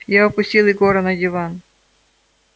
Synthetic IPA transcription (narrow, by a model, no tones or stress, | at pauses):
jaɐpʊsʲtʲilˠɪɡoɾɐnɐdʲɪvan